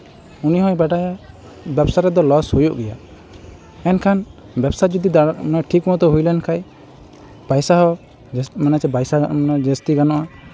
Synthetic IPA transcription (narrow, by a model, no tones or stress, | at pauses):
uniɦɔ̃jbaɖaja | bɛbsaɾɛd̪ɔlɔshujuʔɡɛja̰ | ɛnkʰan | bɛbsad͡ʒud̪id̪anaʈʰikmɔd̪ɔɦujlɛnkʰaj | b̥ajsaɦɔ | manat͡ʃɛbajsanad͡ʒɛst̪iɡanɔʔa